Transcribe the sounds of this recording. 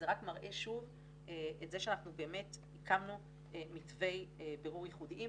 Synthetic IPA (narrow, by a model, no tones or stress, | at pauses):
zeʁakmaʁʔe̞ʃuv | eʔetzeʃeanaχnube̞ːme̞thikʰamnu | emitve̞jbeʁuʁjiχudiʔi